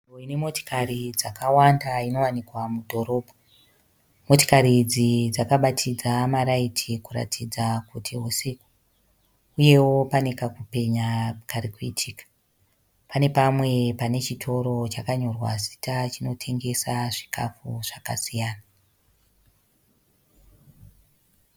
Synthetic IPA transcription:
roinemo̞to̥karid͡zakawandaino̞wanikwamudʱo̞ɾo̞ːbʱo | mo̞to̥kaɾid͡zid͡zakaɓatʰid͡zamaɾaitʰikuɾa̰tʰid͡zakutʰiɦoseku̥ | uje̞wo̞pane̞kakupe̞ɲakaɾikuḭtʰiːkḁ | pane̞pamwe̞pane̞t͡ʃitʰo̞ɾo̞t͡ʃakaɲo̞rwa̰zi̥tat͡ʃino̞tʰe̞ŋɡe̞saʐi̥kʰa̰fuʐ̥aka̰sijaːna

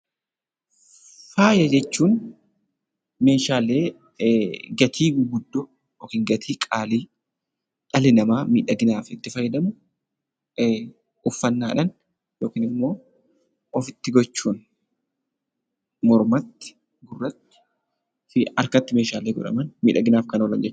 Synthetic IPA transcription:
faːjɐd͡ʒɛt͡ʃːuːn | me̞ːʃaːleː | ɡɐt̪ʰiːɡɡʊd̪ːɔ | oːkiːŋɡɐt̪ʰiːkʼaːliː | ᶑɐlɪnɐmaːmiːᶑɐɡɪnaːfɪt̪ːɪfɐjːɐd̪ɐmʊ | ʔʊfːɐnːaːᶑɐn | joːkiːnɪmːo̞ː | ɔfɪt̪ːɪɡɔt͡ʃːuːn | mɔɾmɐt̪ːɪ̥ | ɡʊrːɐt̪ːɪ̥ | ɐɾkɐt̪ːɪmeːʃaːleːɡɔ̰ᶑɐ̰mɐnmiːᶑɐɡɪnaːfkɐnoɔlɐ̰nd͡ʒɛt͡ʃː

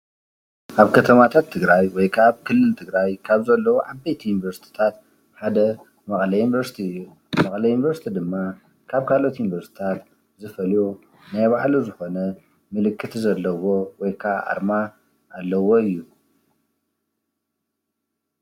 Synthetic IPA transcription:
ʔaβkʰɐt̪ʰɐmat̪ʰat̪ʰːɨɡɾajwɔjkʰaβkʰɨlːɨlt̪ʰɨɡɾajkʰaβzɐlːɐwoʕabejt̪ʰjunvɐɾst̪ʰi̥t̪ʰat̪̚ | ħad̪ɐ | mɐχʼlɐjunvɐɾsi̥t̪ʰiɨjːu | mɐkʼlɐjunvɐɾst̪ʰid̪ɨmːa | kʰaβkʰalo̞t̪ʰjunvɐɾst̪i̥t̪ʰat̪ | zɨfɐljo | najβaʕluzɨxo̞nɐ | mɨlɨkʰːɨt̪ʰzɐlːɐwo̞wɔjkʰaʔa̰ɾma | ʔːlːɐwo̞ɨjːu

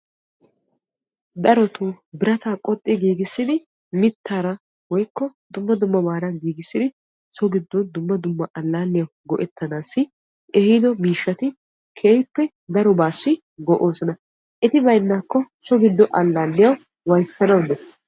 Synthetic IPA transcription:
d̪ɐɾɔt̪u | bɪɾɐt̪aːkʼɔt̪ʼːɪɡiːɡɪsːɪd̪ɪ | mɪt̪ʰːaːɾɐ | wɔjkːɔd̪ʊmːɐd̪ʊmːɐbaːɾɐɡiːɡɪsːɪd̪ɪ | sɔɡɪd̪ːɔnd̪ʊmːɐd̪ʊmːɐʔɐlːaːlːɪjɐwɡɔʔɛt̪ʰːɐnaːsːɪ | ʔɛhid̪ɔmiːʃːɐt̪ɪ | kʰeːjpːɛ | d̪ɐɾɔbaːsːɪ | ɡɔʔo̞ːsɔnɐ | ʔɛt̪ɪbɐjnːaːkːɔsɔɡɪd̪ːɔʔɐlːaːlːɪjɐw | wɐjsːɐnɐwd̪ɛs

